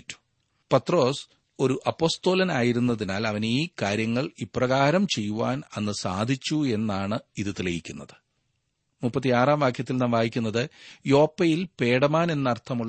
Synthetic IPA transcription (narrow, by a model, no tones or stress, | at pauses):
tːu̥ | pɐt̪ro̞ːs | o̞ɾuʔɐpːo̞ːst̪o̞ːlɐnaːjiɾunːɐðinaːlɐʋɐniːkaːɾjɐŋːɐɭipːrɐɣaːɾɐmt͡ɕe̞jːuʋaːnɐnːɨsaːd̪ʱit͡ɕːue̞nːaːɳɨiðɨt̪ilɐjikʲːunːɐðɨ̥ | mupːɐt̪ːiaːraːmʋaːkʰjɐt̪ːilnɐmʋaːjikʲːunːɐðɨjo̞ːpːɐjilpe̞ːɽɐmaːne̞nːɐrt̪ʰːɐmuɭːɐ